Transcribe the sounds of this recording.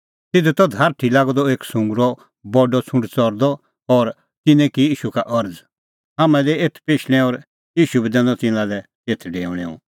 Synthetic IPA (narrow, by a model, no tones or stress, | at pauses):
t̪ɪd̪ut̪ɔd̪ʱaːɾʈʰilaːɡd̪ɔeːksʊ̃ŋɡɾɔ | bɔɖɔt͡sʰʊ̃ɳɖt͡sɔɾd̪ɔ | ɔːɾ | t̪ɪnɛ̃kijiːʃukaʔɐɾd͡z | ɦaːmɛ̃lɛeːt̪ʰpeːʃʰɽ̃ɛ̃ɔːɾ | iːʃubɛd̪ɛ̃nɔ̃t̪ɪ̃nãlɛ | et̪ʰɖeːʋɽ̃ɛ̰ːṵ̃